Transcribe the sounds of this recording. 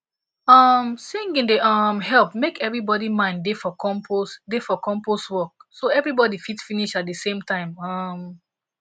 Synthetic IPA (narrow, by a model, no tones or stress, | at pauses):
ʌmsĩŋɡĩndeʌmhɛlˠpmekɛvɹibɔdimãɪ̃ndefɔkʰɔ̃mpʰosdefɔkɔ̃mposwɔk̚soɛvɹibɔdifitfiniʃat̚dəsẽmtãɪ̃mʌm